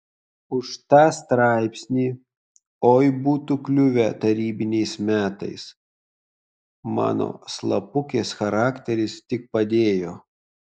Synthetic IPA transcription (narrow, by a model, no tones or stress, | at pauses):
ʊʃt̪ɑːst̪ɾɑˑɪpʲsʲnʲiː | oːjbuːt̪uːklʲʊʋʲɛt̪ɐɾʲiːbʲɪnʲɛɪsmʲæːt̪ɐ̰ɪs | mɑ̰ːno̰ːslˠɐpʊkʲeːsxɐɾɑːkʲt̪ʲɛɾʲɪst̪ʲɪk̚pɐd̪ʲeːjoː